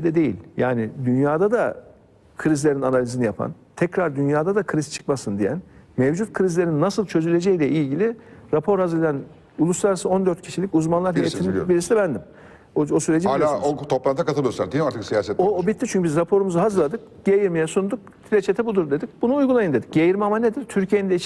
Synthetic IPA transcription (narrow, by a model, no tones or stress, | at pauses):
d̪ɛd̪e̞jḭlʲja̰ːnɪd̪ynjaːd̪ad̪a | kʰɯɾizlʲe̞ɾinanalʲizinijapʰa̰n | t̪ʰɛcɾaɾd̪ynjaːd̪ad̪akʰɯɾizt͡ʃʰɯ̥kmasɯnd̪ijæ̰nmɛvd͡ʒut̪̚kʰɯɾizlʲe̞ɾinːasɯlˠt͡ʃʰø̞zylʲe̞d͡ʒejilʲɛʔilʲɟilʲiɾapʰo̞ɾhazɯɾlʲejæn | ulˠuslˠaɾasɯo̞nd̪øɾt̪̚cʰiʃilʲicuzmanlˠaɾhej̪ʰiibiɾisid̪ɛbænd̪im | oosyɾed͡ʒialʲaot̪ʰo̞plˠanʰakat̪ʰɯlˠijosaɾd̪aɾt̪ʰɯksijaːsɛt̪oobit̪ʰːit͡ʃynɲcʰybizɾapʰo̞ɾumuzuɦazɯɾlˠad̪ɯk̚ | ɟ̥ejiɾmijɛsund̪uk̚t̪ʰilʲet͡ʃʰet̪ʰɛbud̪uɾd̪e̞d̪ic̚bunuːjɡulˠajɯnd̪e̞d̪icɟejiɾmamane̞d̪iɾt̪ʰyɾcʰijennd̪ɛi